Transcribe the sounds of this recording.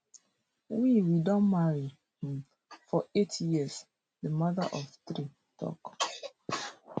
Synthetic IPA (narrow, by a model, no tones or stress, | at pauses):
wiwidɔ̃nmaɹi | hm | fɔetjis | ðəmaðə̰ʔɔftɾi | tʰɔ̰k